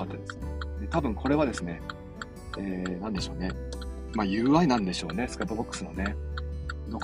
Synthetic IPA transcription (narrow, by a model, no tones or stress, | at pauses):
at̪ːad̪esɨ̥d̪et̪abɯ̟̃ŋkʰo̞ɾe̞β̞ad̪e̞sɨne̞ | eːnãnd̪e̞ɕo̞ːne̞ | majɯ̟ːβainãnd̪e̞ɕo̞ːne̞sɨ̥kat̪ːobo̞kːɯ̥sɨno̞̰ne̞ | d̪o̞k